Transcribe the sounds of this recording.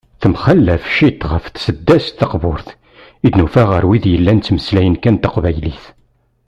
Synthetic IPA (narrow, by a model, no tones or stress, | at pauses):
θəmχəlːæfʃit̪ʁəfθsəd̪ːæst̪θəqbʊɾθ | id̪nufæʁəɾwiðjəlːænt͡sːməslæjənkænt̪əqvæjliθ